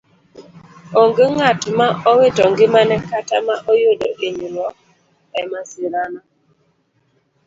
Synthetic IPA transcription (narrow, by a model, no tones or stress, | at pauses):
oŋɡeŋatmaɔwetɔŋɡɪmanɛkatamaʔojodoʔeɲiɾwɔ | ɛmasiɾana